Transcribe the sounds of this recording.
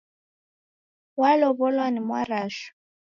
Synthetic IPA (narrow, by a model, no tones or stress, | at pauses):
walɔβɔlwanimwaraːʃu̥